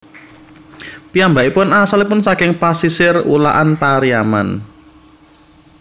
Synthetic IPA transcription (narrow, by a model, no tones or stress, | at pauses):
piambaʔipʊnasalipʊnsakɪŋpasisɪrṵla̰ʔanpaɾiama̰n